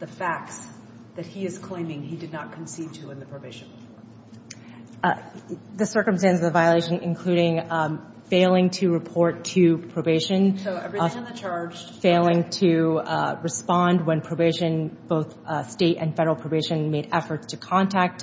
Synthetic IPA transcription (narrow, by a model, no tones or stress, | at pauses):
ðɨfæk̚ts | ðɨt̚hiɨz̥kʰl̥ẽɪ̃mɪ̃ŋidɨdⁿnət̚kʰn̩sid̚tʰɨɨ̃nðɨpʰɹ̥oveɪʃɨ̃n̩ | ðɨsɜ˞kmstæ̃nsʌəvaɪəleɪʃɨ̃nʔɨ̰̃nkʰl̥ʉɾɪ̃ŋ | feɪlˠɪ̃ŋtʰɨɹɨpʰɔɹtʰɨpʰɹ̥oʊveɪʃɨ̃noʊəɹɪ̃nt͡ʃʰɑɹd͡ʒfeɪlˠɪ̃ŋtʰɨɹɨspɑ̃nd̚wɨ̃npʰɹ̥oʊveɪʃɨ̃nb̥oʊθ | steɪɾɨ̰̃nfɛɾə˞l̩ˠpʰɹ̥oʊveɪʃɨ̃nmeɪɾɛfə˞tstʰɨkʰɑ̃ntʰæk̚t